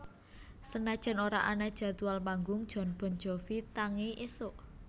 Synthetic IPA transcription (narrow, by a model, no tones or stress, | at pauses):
sənad̥ʒ̥ɛ̤noɾa̰ʔanad̥ʒ̥a̤t̪ualmaŋɡʊŋd̥ʒ̥ɔ̤nb̥ɔ̤n̥d͡ʒ̥ɔfit̪aŋeʔesʊʔ